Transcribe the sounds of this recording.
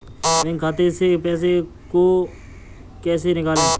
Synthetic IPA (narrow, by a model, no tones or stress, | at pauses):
mẽːŋkʰaːt̪eseːpɛːs̬e | koː | kɛːsenɪkaːlẽː